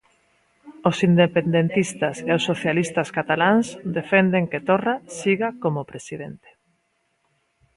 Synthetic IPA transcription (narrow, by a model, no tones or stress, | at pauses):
osind̪epend̪ent̪ist̪aseosːoθjalist̪askat̪alaŋsd̪efend̪eŋket̪orasiɣakomopɾesiðent̪e̥